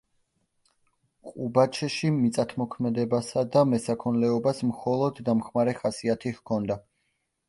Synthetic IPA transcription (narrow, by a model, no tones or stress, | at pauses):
qʼubat͡ʃʰɛʃimit̪sʼat̪ʰmɔkʰmɛd̪ɛbasad̪amɛsakʰɔnlɛɔbasmχɔlˠɔd̪ːamχmaɾɛχasiat̪ʰihkʰɔnd̪a